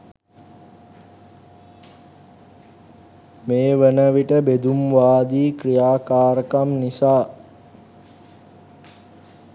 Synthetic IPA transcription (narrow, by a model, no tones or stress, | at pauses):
meːʋənəʋiʈəbed̪umʋaːd̪iːkrijaːkaːɾəkamnisaː